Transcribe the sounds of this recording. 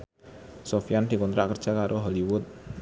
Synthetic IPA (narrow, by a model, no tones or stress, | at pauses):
sofijand̪̥i̤kɔnt̪ɾa̰ʔkərd̥ʒ̥a̤kaɾʔoɦɔliwʊt̪̚